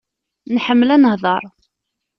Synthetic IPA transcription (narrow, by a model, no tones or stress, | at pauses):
nħəmːlænəhðˤɑɾˤ